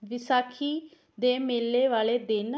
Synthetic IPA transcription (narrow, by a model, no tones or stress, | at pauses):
ʋɪsaːkʰiː | d̪eːmeːlːeːʋaːleːd̪en